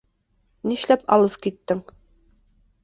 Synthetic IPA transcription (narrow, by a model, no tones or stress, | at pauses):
niʃlæpɑ̰lˠɤzkit̪ːɘŋ